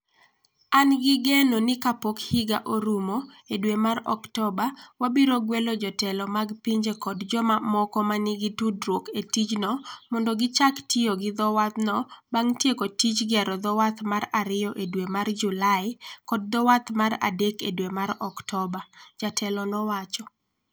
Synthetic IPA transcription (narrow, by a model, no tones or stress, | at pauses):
anɡɪɡɛnonɪkapokhiɡa̰ʔoɾumo | edwemaɾɔ̰ktɔbawabiɾoɡwelɔd͡ʒɔtɛlɔmaɡpiɲd͡ʒekɔdd͡ʒɔmamɔkɔmanɪɡɪtudɾoketit͡ʃnɔmɔndɔɡɪt͡ʃaktioɡɪd̪ɔwat̪nɔbaŋtjekotit͡ʃɡɪaɾɔd̪ɔwat̪maɾaɾɪjɔʔedwemard͡ʒulaɪkɔd̚d̪ɔwat̪maɾa̰dekedwemaɾɔktɔbad͡ʒatʰɛlɔnɔwat͡ʃɔ